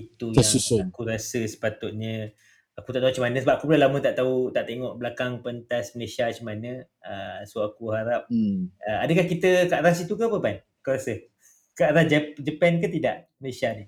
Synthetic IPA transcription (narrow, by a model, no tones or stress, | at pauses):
it̪ujaŋiakuɾasəsə̥pat̪ʊt̪̚ɲə | akut̪aʔt̪aɦut͡ʃəmanə̃səbap̚ʔakubulalamə̃t̪aʔt̪aut̪aʔt̪eŋɔʔbəlakaŋpənt̪asməlesat͡ʃəmanə̃ | əsoakuhaɾap̚əadəkahkit̪əkaʔaɾas̬it̪ukəapəpan | kuɾasə | kaʔaɾasd͡ʒəd͡ʒəpɛnkət̪ida̰ʔməlesani